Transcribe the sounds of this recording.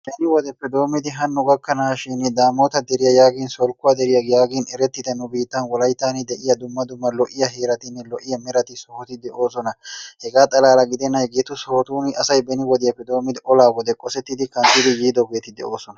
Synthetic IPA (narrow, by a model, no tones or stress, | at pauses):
bɛnɪwɔd̪ɛpːɛd̪o̞ːmːɪd̪ɪɦɐnːʊɡɐkːɐnaːʃinɪd̪aːmoːt̪ɐd̪ɛɾɪjɐjaːɡɪnsɔlkʊad̪ɛɾɪjɐɡjaːɡɪnɛɾɛt̪ːɪd̪ɐnʊbiːt̪ːɐnwɔlɐjt̪ːaːnɪd̪ɛʔɪjɐd̪ʊmːɐd̪ʊmːɐlɔʔɪjɐɦeːɾɐt̪ɪnːɛlɔʔɪjɐmɛɾɐt̪ɪsɔhɔt̪ɪd̪ɛʔo̞ːsɔnɐhɛɡaːt̪ʼɐlaːlɐɡɪd̪ɛnːɐjɡeːt̪ʊsoːt̪uːnɪʔɐsɐjbɛnɪwɔd̪ɪjɐpːɛd̪o̞ːmɪd̪ɪʔɔlaːɡɔd̪ɛkʼɔsɛt̪ːɪd̪ɪkɐnt̪ɪd̪ɪjiːd̪ɔɡɛt̪ːɪd̪ɛ̰ʔo̞ːsɔnɐ